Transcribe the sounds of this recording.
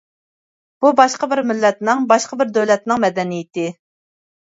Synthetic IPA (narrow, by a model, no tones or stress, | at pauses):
b̥ubɑʃqəbɪɾmɪlːɛt̪nɪŋbɑʃqəbɪɾd̪øwlɛt̪̚nɪŋmɛd̪ɛnijɪt̪ɪ